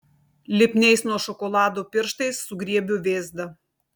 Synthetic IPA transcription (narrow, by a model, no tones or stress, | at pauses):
lʲɪpʲnʲɛɪsnuɔʃɔkɔlˠɑːd̪oːpʲɪɾʃt̪ɐɪsːʊɡɾʲiɛbʲʊʋʲeːzd̪ɐ